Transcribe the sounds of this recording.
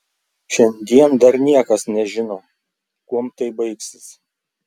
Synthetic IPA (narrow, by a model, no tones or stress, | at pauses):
ʃʲɛnʲd̪ʲiɛnd̪ɐɾnʲiɛkɐsnʲɛʒʲɪnɐʊ | kuɔmt̪ɐɪbɐɪksʲɪs